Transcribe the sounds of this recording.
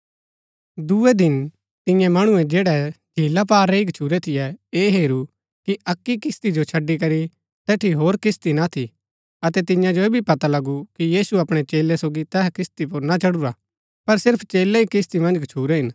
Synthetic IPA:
d̪uɛd̪ɪn | t̪ɪ̃jãmɐɽ̃ʊɛ̃d͡ʒeːɽɛɡʱiːlap̬aːɾːɛiɡʱɐt͡ʃʰuːɾɛt̪ʰɪjɛeːɦeːɾu | kiɐkːikɪst̪id͡ʒot͡ʃʰɐɖːik̬ɐɾi | t̪ɛːʈʰiɦoːɾkɪst̪inat̪ʰi | ɐt̪ɛt̪ɪ̃jãd͡ʒoeːbʱipɐt̪alɐɡukijiːsuɐpɽ̃ɛt͡ʃeːlɛsoːɡit̪ɛkɪst̪ip̬ʊɾnat͡ʃɐɽuɾa | pɐɾsɪɾpʰt͡ʃeːlɛikɪst̪imɐ̃nd͡ʒɡʱɐt͡ʃʰuːɾɛɦɪn

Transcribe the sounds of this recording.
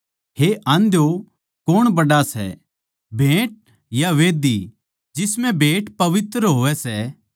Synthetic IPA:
ɦeʔɐ̃nd̪jo | koːɽ̃bɐɖasɛ̰ | bʱẽːʈ̚ | jaʋeːd̪i | d͡ʒɪsmɛ̃bʱeːʈpɐʋɪt̪ɾəɦoːʋɛsɛ

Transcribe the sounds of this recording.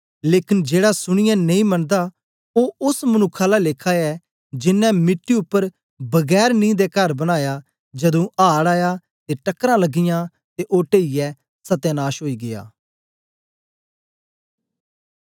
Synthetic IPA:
leːkɪnd͡ʒeːɽaːsʊɽ̃ɪjãːneĩːməɳd̪aː | oːʊsmənʊkʰːaːlaːleːkʰaːɛː | d͡ʒɪnːɛ̃ːmɪʈːiʊpːəɾ | bəɡɛːɾnĩːd̪eːkəɾbəñaːjaː | d͡ʒəd̪õːʔaːɽaːjaː | t̪eːʈəkːɾãːləɡɪjãː | t̪eʔoːʈeːijɛː | sət̪eːnaːʃɦoːiːɡɪja̰ː

